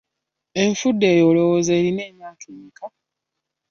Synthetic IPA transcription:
e̞ɱfudːe̞ːjoːlo̞woze̞ːɾine̞ːmjaːkʰekʰa

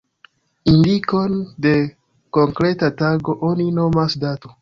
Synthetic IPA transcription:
indiko̞nde̞ | ko̞ŋkɾe̞tataɡo̞ʔo̞nino̞masdato

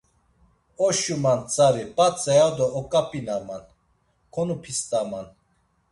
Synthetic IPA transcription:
ɔʃumant͡sʼaɾipʼat͡sʼɛjad̪ɔɔkʼapʼinaman | kʰɔnupʰist̪ʼaman

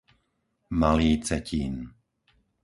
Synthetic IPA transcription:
maliːt͡sɛcʰiːn

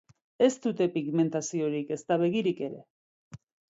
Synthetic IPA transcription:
e̞st̪ut̪e̞piɣme̞nt̪asio̞ɾike̞st̪aβe̞ɣ̞iɾike̞ɾe̞̰

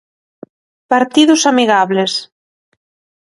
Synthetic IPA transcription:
paɾt̪iðusamiɣaβles

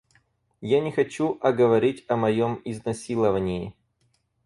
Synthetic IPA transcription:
janʲɪxɐt͡ɕuʔɐɡəvɐɾʲitʲɐmɐjomɪznɐsʲilˠəvənʲɪɪ

